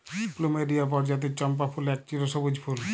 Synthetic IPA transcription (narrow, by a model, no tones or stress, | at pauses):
plumeɖiap̬ɔɾd͡ʑat̪̬iɾt͡ɕɔmpafʰulɛk̚t͡ɕiɾoʃobod͡ʑpʰul